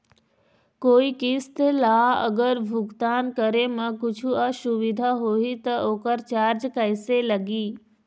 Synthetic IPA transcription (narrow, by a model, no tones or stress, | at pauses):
koːikist̪laːə̰ɡəɾbʱʊɡt̪aːnkəɾemɐ̃kʊd͡ʒʱuasuʋid̪ʱaɦoːit̪ɐʔoːkəɾt͡ɕaːɾd͡ʒkəjselɐɡiː